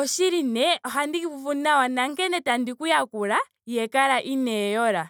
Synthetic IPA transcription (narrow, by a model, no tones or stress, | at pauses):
ɔʃiɾinɛɔɦandikivuvunawanaŋkɛnɛtandikujakuɾa | jɛkaɾaʔinɛjɔɾa